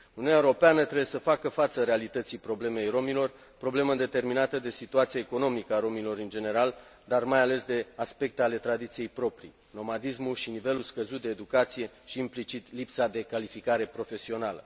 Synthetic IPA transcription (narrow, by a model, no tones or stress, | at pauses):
uniunaewɾo̞peanət̪ɾebjesəfakəfat̪səɾe̞alit̪ət̪sijpɾo̞ble̞me̞jro̞milo̞r | pɾo̞ble̞məɨnd̪e̞t̪e̞rminat̪əd̪e̞sit̪uat̪siaeko̞no̞mikəaɾo̞milo̞ɾɨnd͡ʒe̞ne̞ɾald̪armajale̞sd̪e̞aspe̞k̚t̪eale̞t̪ɾad̪it̪sije̞jpɾo̞pɾḭ | no̞mad̪ismulʃinive̞lulskəzut̪̚d̪e̞ːd̪ukat̪sije̞ʃiːmplit͡ʃit̪lipsad̪e̞kalifikaɾe̞pɾo̞fe̞sio̞nalə̰